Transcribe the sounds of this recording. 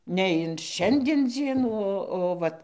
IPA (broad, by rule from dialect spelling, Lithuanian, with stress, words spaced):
nʲɛ ɪn ˈʃʲɛnʲdʲiɛn ˈd͡zʲiɛnuː ˈoː oː ˈʋɐt